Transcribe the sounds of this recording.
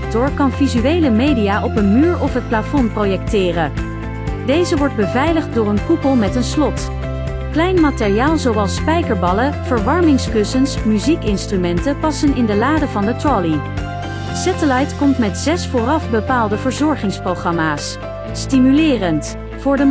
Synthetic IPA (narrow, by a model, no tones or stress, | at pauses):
k̚tɔɹkɑnvizyʋejləmejdijaːʔɔpənmyːɹɔfɦət̚plafɔnprowjɛk̚tɪːrə | dejzəʋɔɹd̚bəvɛjləχt̚dʊːɹənkupəlˠmɛtənslɔt | klɛjnmaːtɪrijaːlˠzowɑlˠspɛjkəɹbɑləv̥əɹʋɑɹmɪŋskɵsənsmyzikɪnstrymɛntəpɑsənɪndəlaːdəvɑndətɹɔli | sɛtəlɑjtkɔmtmɛtz̥ɛsfʊːrɑfbəpaːlˠdəvəɹzɔɹχɪŋsprowχɑmaːsː | timylɪːrənt | fʊːɹdə